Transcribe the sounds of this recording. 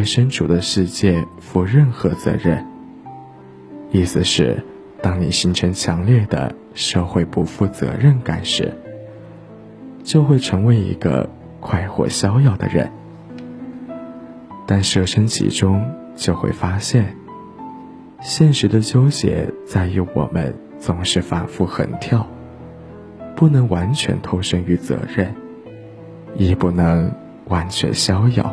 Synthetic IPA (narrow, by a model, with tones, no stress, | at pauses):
wɪʂə˥nʈ͡ʂʰu˨˩d̪ə˦ʂɻ̩˥˧t͡ɕjɛ˥˩fu˧˥ɻə˥˩nxɤ˧˥t͡sɤ̰˧˥ɻə˥˩n | i˥˩sɹ̩˨˩ʂɻ̩˥˩ | t̪ɑ˥ŋni˨˩ɕi˧˥ŋʈ͡ʂʰɤ˧˥ŋt͡ɕʰjɑ˧˥ŋljɛ˥˩d̪ə̰˩ | ʂɤ˥˧xwe˥˧ɪpu˥˧fu˥˩t͡sɤ̰˧˥ɻə˥˩nka˨˩nʂɻ̩̰˨˩˦ | t͡ɕjo˥˧ʊxwe˥˩ɪʈ͡ʂʰɤ˧˥ŋwe˧˥ɪḭ˧˥ɡə̰˧ | kʰwa˥˧ɪxwɔ̰˥˩ɕjɑ˥ʊjɑ˥˩ʊd̪ə̰˩ɻə̰˧˥n | t̪a˥˧nʂɤ˥˩ʂə˥nt͡ɕʰḭ˨˥ʈ͡ʂʊ˥ŋ | t͡ɕjo˥˧ʊxwḛ˥˩ɪfa˥ɕjɛ˥˩n | ɕjɛ˥˩nʂɻ̩˧˥d̪ə˧t͡ɕjo˥ʊɕjɛ̰˨˧˥t͡sa˥˧ɪy˥˩wɔ̰˨˩mə̰˦n | t͡sʊ˧˩ŋʂɻ̩˥˩fa̰˨˩nfu˥˩xə̰˨˩nt̪ʰjɑ˥˩ʊ | pu˥˩nɤ˧˥ŋwa˧˥nt͡ɕʰɥɛ̰˧˥nt̪ʰo˥˧ʊʂɤ˥ŋy˧˥t͡sɤ̰˧˥ɻə˥˩n | jɛ˨˩pu˥˩nɤ˧˥ŋ | wa˧˥nt͡ɕʰɥɛ̰˧˥nɕjɑ˥ʊjɑ̰˥˩ʊ